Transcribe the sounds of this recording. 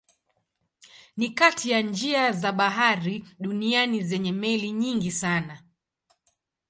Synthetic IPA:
nikatʰijand͡ʒiazaɓaɦaɾiɗunianizɛɲɛmɛliɲiŋɡisana

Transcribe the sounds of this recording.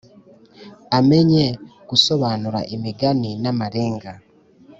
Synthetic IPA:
ame̞ɲekuso̞βaːnuɾa̰ʔemiɡaninamaɾe̞ːŋɡa

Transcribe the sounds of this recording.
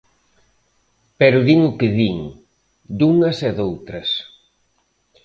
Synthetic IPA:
pɛɾʊðiŋʊkɪðiŋ | d̪uŋɐsɛðowt̪ɾɐs

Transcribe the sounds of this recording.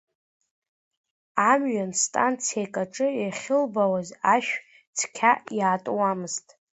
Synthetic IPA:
amɥanstʼant͡sʰijakʼaʈ͡ʂʼɨaχʲɪlbawazaʃᶣ | t͡sʰkʲʰajaːtʼwamɨztʼ

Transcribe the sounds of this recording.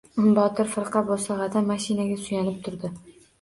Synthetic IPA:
ʊmbɒt̪ʰɪɾfɪɾqʰɑbosɑʁɑd̪amaʃɪnaɡʲasʊjanɪp̚t̪ʰʊɾd̪ɪ

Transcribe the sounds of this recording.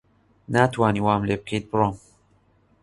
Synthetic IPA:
naːt̪ʰwɑːniːwɑːmleːb̚kʰejt̪̚bɨɾoːm

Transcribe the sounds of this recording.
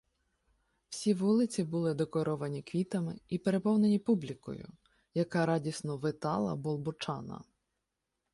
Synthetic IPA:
w̥sʲiʋulˠɪt͡sʲibʊlˠɪd̪ekɔɾɔʋɐnʲikʋʲit̪ɐmɪipeɾepɔwne̞nʲipublʲikɔ̰jʊ̰ | jɐkɑɾɑdʲisnɔʋɪt̪ɑlˠɐ̰bɔlˠbɔt͡ʃɑnɐ̰

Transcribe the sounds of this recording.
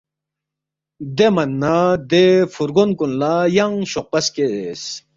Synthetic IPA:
d̪emɐnːad̪efuɾɡonkunlajɐŋɕoq̚pɐskees

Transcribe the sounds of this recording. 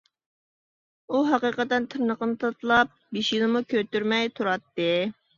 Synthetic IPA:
uɦɑqəqət̪ɛnt̪ʰɨɾnəqənɨt̪ʰɑt̪lˠɑp̚biʃjilˠɨmukʲʰøt̪yɾmɛjt̪ʰuɾɑt̪ːɨ

